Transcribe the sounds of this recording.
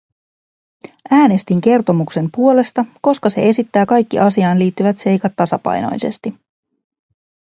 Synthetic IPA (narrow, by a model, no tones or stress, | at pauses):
ʔæːne̞st̪iŋk̟e̞rt̪o̞mukse̞mpuo̞le̞st̪ɑko̞skɑse̞̰e̞sit̪ːæːkɑjkːḭʔɑsiɑːnliːt̪ːyʋæt̪se̞jkɑt̪ːɑsɑpɑ̰jno̞̰jse̞̰st̪i